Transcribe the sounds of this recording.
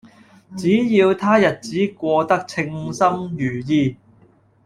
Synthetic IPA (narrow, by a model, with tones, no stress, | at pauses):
t͡siː˨˥jiː˧wt̪ʰaː˥jɐ˨t̚t͡siː˨˥kʷɔː˧t̪ɐ˥k̚t͡sʰɪ˧ŋsɐ˥mjyː˨˩jiː˧